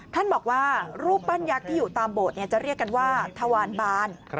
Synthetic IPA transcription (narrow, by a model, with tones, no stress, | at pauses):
t̪ʰa˥˩nbɔː˨˩k̚waː˥˩ɾuː˥˩pːa˥˩nja˦˥k̚t̪ʰiː˥˩juː˨˩t̪aː˧mboː˨˩t̪̚ni˥˩t͡ɕa˨˩ɾi˥˩əkːa˧nwaː˥˩t̪ʰa˧waː˧nbaː˥˩n